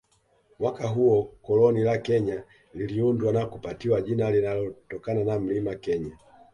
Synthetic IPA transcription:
mwakaɦuɔkɔlɔnilakɛɲa | liliundwanakupatiwaʄinalinalɔtɔkananam̩limakɛɲa

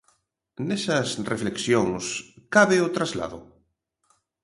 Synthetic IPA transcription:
nesɐsrefleksjoŋskaβɪʊt̪ɾazla̰ðʊ̰

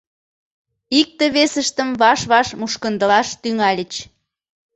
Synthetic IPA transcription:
ik̚t̪ə̆βesəʃt̪əmβɑʃβɑʃmuʃkənd̪əlɑʃt̪yŋɑlʲət͡ɕ

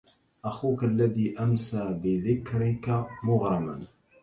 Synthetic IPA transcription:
ʔæxukalːæðiːʔamsaʕbɪðɪkɾikamʊɣɾˤɑma̰n

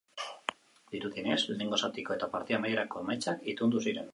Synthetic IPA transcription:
d̪iɾuðine̞sleneŋɡo̞sat̪iko̞e̞t̪apaɾt̪iamajeɾako̞majt͡ʃakit̪und̪usiɾe̞n

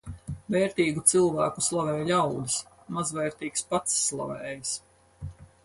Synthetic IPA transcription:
vɛːɾt̪iːɡut̪silˠvæːkuslˠavɛːjlʲawd̪ɨs | mazvɛːɾt̪iːkspat̪sːlˠa̰vɛːjis

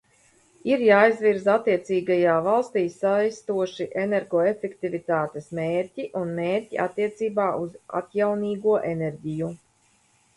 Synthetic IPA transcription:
iɾjaːjzviɾzat̪ːiɛt̪siːɡajaːvalˠst̪iːsajst̪uɔʃiʔenɛɾɡɔefɛkt̪ivʲit̪aːt̪esmeːɾʲcʲiʔunmeːɾʲciʔa̰t̪ːiɛt̪siːbaːʔuza̰t̪jawniːɡuɔʔenɛɾʲɟiju

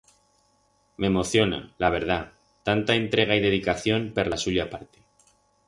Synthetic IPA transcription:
me̞mo̞θjo̞na̰laβ̞e̞ɾða | t̪ant̪ae̞nt̪ɾe̞ɣ̞aiðe̞ðikaθjo̞mpeɾlasuʎapaɾt̪e̥

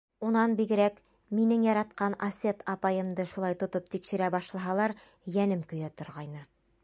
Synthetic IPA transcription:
unɑnbiɡɘ̆ɾæk | minɘŋjɑɾɑt̪̚qɑnɐsʲet̪ɑpɑjɤ̆md̪ɤʃulˠɑjt̪ŏt̪op̚t̪ikʃɘ̆ɾæbɑʃlˠɑɦɑlˠɑɾ | jænɘmkɵ̆jæt̪ŏɾʁɑjnɤ

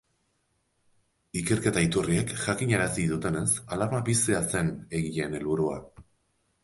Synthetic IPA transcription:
ike̞rke̞t̪ait̪urie̞kʝakiɲaɾasiðut̪e̞ne̞salaβabisease̞ne̞ɣiʎe̞ne̞lβuɾua̰

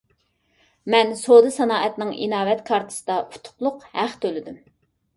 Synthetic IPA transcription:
mɛnsod̪ɨsɑnɑːɛt̪nɨŋḭnɑːvɛt̪kʰɑɾt̪ʰɨ̥sɨd̪ɑʔu̥t̪ʰʊ̥qlˠʊqhæχt̪ʰølɪd̪ym

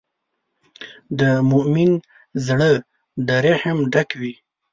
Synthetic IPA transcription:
d̪əmʊʔmin | zɽə | d̪əɾehmɖakwi

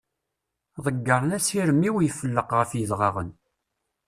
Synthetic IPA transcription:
ðˤəɡːəɾˤnæsiɾəmːiwjəfəlːəqʁəfjəðʁɑʁə̰n

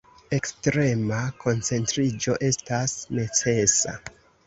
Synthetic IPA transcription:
e̞kstɾe̞makʰo̞nt͡se̞ntɾid͡ʒo̞ʔe̞stasne̞t͡se̞sa̰

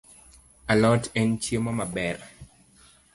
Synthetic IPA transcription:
alɔtɛnt͡ʃjemamabɛɾ

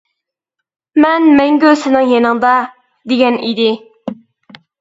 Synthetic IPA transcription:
mɛnmɛŋɡʲøsɪnɪŋjenɨŋd̪ɑ | d̪eɡʲɛnid̪ɪ

